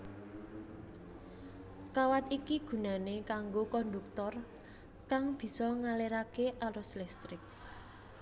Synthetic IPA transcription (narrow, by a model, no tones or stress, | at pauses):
kawat̪ikiɡ̥ṳnanekaŋɡokɔnd̪uk̚t̪ɔr | kaŋb̥i̤sɔŋaleɾakeʔaɾɔslɛst̪ɾɪk̚